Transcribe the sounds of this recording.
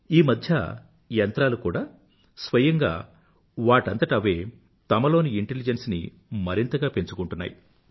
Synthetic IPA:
iːmɐd̪ʱjɐ | jɐnt̪ɾaːlukuːɽaː | sʋɐjɐŋɡa̰ː | ʋaːʈɐnt̪ɐʈɐʋe̞ː | t̪ɐmɐlo̞ːniiɳʈelid͡ʒɐnsnḭ | mɐɾint̪ɐɡaːpe̞nt͡ʃukuɳʈunːa̰ːji

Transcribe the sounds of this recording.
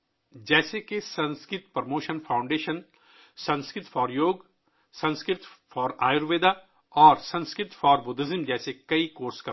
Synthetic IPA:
d͡ʒɛːsekesɐ̃nskɾɪt̪pɐɾmoːʃənfʰaːʊ̃ɳɖeːʃən | sɐ̃nskɾɪt̪fɔːɾjoːɡ | sɐ̃nskɾɪt̪fɔːɾaːjʊɾʋeːd̪a | ɔːɾsɐ̃nskɾɪt̪fɔːɾbʊd̪ɪzɪmd͡ʒɛːsekɐikoːɾskɐ

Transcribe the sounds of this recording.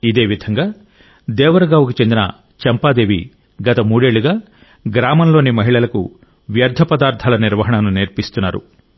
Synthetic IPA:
id̪eːʋid̪ʱɐŋɡaː | d̪ɛːʋɐɾɐɡaːʋukut͡ʃe̞nd̪inɐ̰ | t͡ʃɐmpaːd̪e̞ːʋi | ɡɐt̪ɐmuːɽe̞ːɭuɡaː | ɡɾaːmɐnlo̞ːnimɐɦiɭɐlɐkṵ | ʋjɐɾd̪ʱɐpɐd̪aːɾt̪ʰɐːlɐniɾʋɐɦɐɳɐnuniɾpist̪unːa̰ːɾṵ

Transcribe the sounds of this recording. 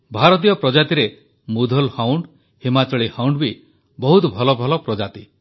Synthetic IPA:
bʱaɾɔt̪̬ijɔpɾɔd͡ʒat̪iɾe | mud̪ʱɔlhawɳɖ | himat͡ʃɔɭihawɳɖbi | bɔɦut̪ɔbʱɔlɔbʱɔlɔpɾɔd͡ʒat̪i

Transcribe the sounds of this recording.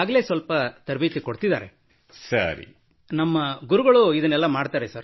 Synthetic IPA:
aːɡle̞ːsʋɐlpɐt̪ɐɾbit̪ikoɽt̪id̪a̰ːɾe̞̰ | sɐ̰ɾḭ | nɐmːɐɡuɾuɡɐɭuid̪ɐnːɛlːɐmaːɖt̪aːɾesɐɾ

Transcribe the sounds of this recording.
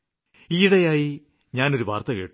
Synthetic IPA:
iːɽɐjaːji | ɲaːno̞ɾuʋaːrt̪ɐke̞ːʈː

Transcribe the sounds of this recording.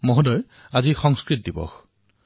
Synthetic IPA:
mɔɦudɔj | azixɔŋskɹit̚dibɔ̰x

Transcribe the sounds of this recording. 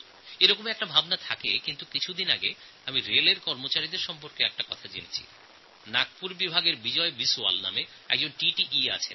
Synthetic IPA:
eɾɔkomɛk̚ʈabʱabnat̪ʰakekint̪ukit͡ɕʰud̪inaɡe | amiɾeleɾkɔɾmot͡ɕaɾid̪eɾʃɔmpoɾkeɛk̚ʈakɔt̪ʰad͡ʑenet͡ɕʰḭ | nak̚puɾbibʱaɡeɾbid͡ʑɔebisua̰lna̰me | ɛ̰ɡ̚d͡ʑonʈiʈiʔia̰t͡ɕʰen

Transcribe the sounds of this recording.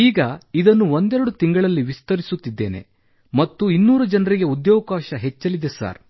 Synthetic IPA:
iːɡɐid̪ɐnːuo̞nd̪ɛɾɐɽut̪iŋɡɐɭɐlːiʋist̪ɐɾisut̪ːid̪ːe̞̰ːne̞̰ | mɐt̪ːuinːuːɾɐd͡ʒɐnɐɾiɡe̞ud̪joːɐkaːʃɐɦet͡ʃːɐlid̪esa̰ːɾ

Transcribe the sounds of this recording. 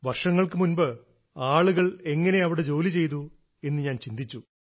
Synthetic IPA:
ʋɐrʂɐŋːɐɭkɨmunbɨ | aːɭuɣɐɭe̞ŋːɐne̞ɐʋiɽe̞d͡ʑo̞ːlit͡ɕe̞jt̪̬u | e̞nːɨɲaːnt͡ɕind̪it͡ɕːu

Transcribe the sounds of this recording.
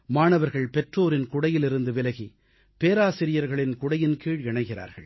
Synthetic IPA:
maːɳɐʋɐɾɣɐɭpɛʈroːɾɪnkʊɽɐjɪlɪɾɯnd̪ɯʋɪlɐɣi | peːɾaːsɪɾɪjɐɾɣɐɭɪnkʊɽɐjɪnkiːɻɪɳɐɪɣɪra̰ːɾɣɐ̰ɭ

